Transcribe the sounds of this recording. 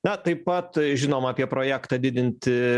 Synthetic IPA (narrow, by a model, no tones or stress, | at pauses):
nɐt̪ɐɪppːɐt̪ʒʲɪnoːmɐːpʲiɛpɾoːjæːkt̪ɐd̪ʲɪd̪ʲɪnʲt̪ʲɪ